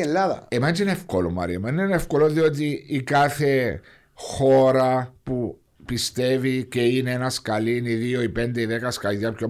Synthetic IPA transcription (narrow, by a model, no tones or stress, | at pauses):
elːaðɐ̰emɐt͡ʃenefkolo̰mɐ̰ɾḭɐmɐninenefko̞loðio̞t̪̬iːkaθe̞ | xo̞ɾɐpu | pist̪e̞vice̞ineenɐskɐliniðioipend̪eiðe̞kɐskɐlʝɐpço